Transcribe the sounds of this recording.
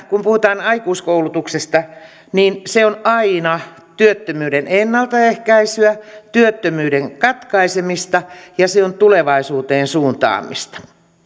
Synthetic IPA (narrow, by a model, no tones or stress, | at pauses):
kumpuhut̪ɑːnɑikuːskoulut̪uksest̪ɑ | niːnseonɑinɑ | t̪yøt̪ːømyːɾenenːɑlt̪ɑehkæisyæt̪yøt̪ːømyːɾeŋkɑt̪kɑisemist̪ɑjɑseont̪uleʋɑisuːt̪eːnsuːnt̪ɑ̰ːmḭst̪ɑ̥